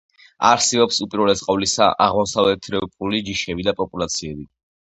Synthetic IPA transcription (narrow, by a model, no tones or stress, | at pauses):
a̰ɾsɛɔpsupʼiɾwɛlɛsqʼavlisa̰ʔaʁmɔsavlɛt̪ʰɾɛpʼulid͡ʒiʃɛbid̪apʼɔpʼulat̪sʰiɛbi